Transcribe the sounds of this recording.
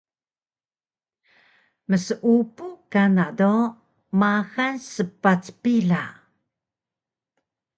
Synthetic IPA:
məsəʔupukanado | maxansəpat͡spiɮa

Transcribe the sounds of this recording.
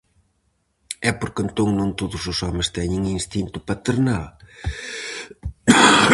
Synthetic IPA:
ɛpoɾkent̪oŋnõnt̪oðʊsʊsɔmɪst̪ɛɲeŋinst̪int̪ʊpɐt̪eɾnal

